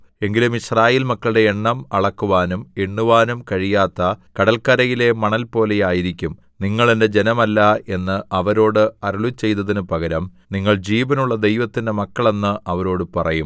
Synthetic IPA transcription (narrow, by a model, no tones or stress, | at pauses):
e̞ŋɡilumiɕraːjeːlmɐkːɐɭɨɽe̞eɳːɐmɐɭɐkːuʋaːnumeɳːuʋaːnumkɐɻijaːt̪ːɐkɐɽɐlkɐɾɐjile̞mɐɳɐlpo̞ːle̞jaːjiɾikʲːum | niŋːɐɭe̞nde̞d͡ʑe̞nɐmɐlːɐe̞nːɨʔɐʋɐɾo̞ːɽɨɐɾuɭut͡ɕːe̞jt̪ɐðinɨpɐɣɐɾɐm | niŋːɐɭd͡ʑiːʋɐnuɭːɐd̪e̞jʋɐt̪ːinde̞mɐkːɐɭe̞nːɨʔɐʋɐɾo̞ːɽɨpɐrɐjum